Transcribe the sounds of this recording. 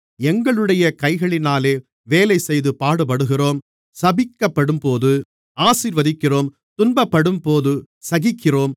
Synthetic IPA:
ɛŋɡɐɭɯɽɐjɐkɐɪɣɐɭɪnaːleː | ʋeːlɐɪsɛjðɯpaːɽɯp̬ɐɽɯɣɪroːm | sɐbɪkːɐpːɐɽɯmpoːðɯ | aːsiːɾʋɐðɪkːɪroːm | t̪ʊnbɐpːɐɽɯmpoːðɯ | sɐɣɪkːɪroːm

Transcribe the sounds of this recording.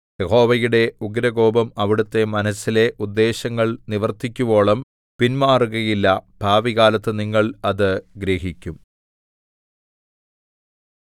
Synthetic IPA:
jeho̞ːʋɐjuɽe̞uɡɾɐɣo̞ːbɐmɐʋiɽut̪ːe̞mɐnɐsile̞ʔud̪ːe̞ːɕɐŋːɐɭniʋɐrt̪ːikʲːuʋo̞ːɭɐm | pinmaːruɣɐjilːɐb̥ʱaːʋiɣaːlɐt̪ːɨniŋːɐɭɐðɨɡɾeːɦikʲːum

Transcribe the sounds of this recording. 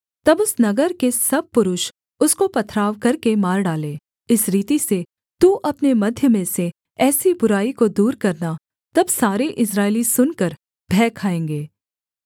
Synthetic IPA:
t̪ɐbʊsnɐɡəɾkesɐb̚pʊɾʊʃ | ʊskopɐt̪ʰɾaːʋkɐɾkemaːɾɖaːlẽː | ɪsɾiːt̪ise | t̪uʔɐpnemɐd̪ʱjəmẽse | ɛːsibʊɾaːikod̪uːɾkɐɾna | t̪ɐbsaːɾeʔɪs̬ɾaːɪlisʊnkɐɾ | bʱɛːkʰaːẽːŋɡeː

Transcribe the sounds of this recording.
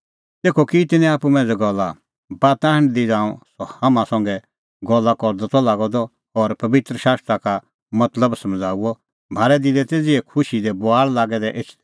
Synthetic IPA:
t̪eːkʰokit̪ɪnɛ̃aːpumɛ̃ːd͡zɛɡɔlːa | baːt̪ãːɦə̃ɳ̃d̪id͡zãːɔ̃sɔhamãsɐ̃ŋɡɛ | ɡɔlːakɔɾd̪ɔt̪ɔlaːɡɔd̪ɔ | ɔɾpɐbɪt̪ɾəʃaːst̪ɾaka | mɐt̪ləbsɐmd͡zʱaːuɔ | mʱaːɾɛd̪ɪlɛt̪eːd͡ziɛkʰʊʃid̪ɛbʊaːɭlaːɡɛd̪ɛʔɪt͡ʃʰ

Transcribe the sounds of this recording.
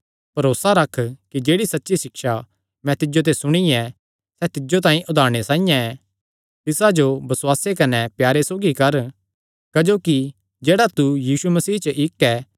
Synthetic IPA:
pɐɾoːsaɾɐkʰkid͡ʒeːɽisɐtːʃisɪkʃa | mɛ̃t̪ɪd͡ʒot̪̬esʊɽ̃iɛ | sɛt̪ɪd͡ʒot̪̬ãːĩʔʊd̪ʱaːɾɽ̃esãːijãɛ | t̪ɪsad͡ʒobɐswaːsekɐnɛpjaːɾesoːɡikɐɾ | kɐd͡ʒoːki | d͡ʒeːɽat̪ujiːsumɐsiːt͡ʃəʔɪkːɛː

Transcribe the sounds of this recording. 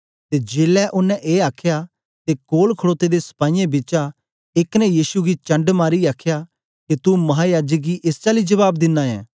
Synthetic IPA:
t̪eːd͡ʒeːlɛʔʊnːɛ̃ʔeːaːkʰjaː | t̪eːkoːlkʰəɽoːt̪ed̪esɐ̥paːijẽbɪt͡ʃa | ɪknɛ̃jiːsuɡit͡ʃɐ̃ɳɖmaːɾiaːkʰjaː | kit̪umɐɦãːjaːd͡ʒək̚ɡiʔɪst͡ʃaːlid͡ʒɐβaːb̚d̪ɪnːãɛ̰̃ː

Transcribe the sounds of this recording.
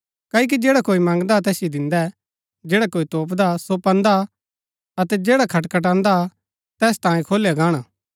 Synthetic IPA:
kaːik̬id͡ʒeːɽakoːimɐ̃ŋɡd̪at̪ɛːsid̪ɪ̃nd̪ɛ | d͡ʒeːɽakoːit̪oːpd̪asopɐ̃nd̪a | ɐt̪ɛd͡ʒeːɽakʰɐʈkɐʈ̬ãːnd̪a | t̪ɛːst̪ãːĩkʰoːlejaɡaːɽ̃aː

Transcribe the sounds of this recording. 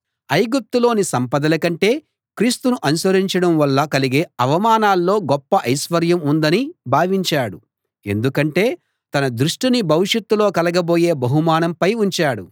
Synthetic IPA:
ɐjɡup̚t̪ulo̞ːnisɐmpɐd̪ɐlɐkɐɳʈe̞ː | kɾiːst̪unuʔɐnusʋɐɾiɲt͡ʃɐɽɐmʋɐlːɐkɐliɡeːɐʋɐmaːnaːlːo̞ːɡɔpːɐʔɐjsʋɐɾjɐmund̪ɐnibʱaːʋiɲt͡ʃaːɽu | e̞̰nd̪ukɐɳʈe̞ː | t̪ɐnɐd̪ɾuʂʈinibʱɐʋiʂɐt̪ːulo̞ːkɐlɐɡɐbo̞ːje̞ːbɐɦumaːnɐmpɐjuɲt͡ʃaːɽu

